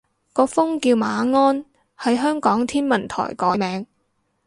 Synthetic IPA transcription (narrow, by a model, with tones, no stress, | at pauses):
kɔː˧fʊ˥ŋkiː˧wmaː˨˧ŋɔː˥n | hɐ˨˥jɦœː˥ŋkɔː˨˥ŋt̪ʰiː˥nmɐ˨˩nt̪ʰɔ̰ː˨˩jkɔː˨˥mɛː˨˧ŋ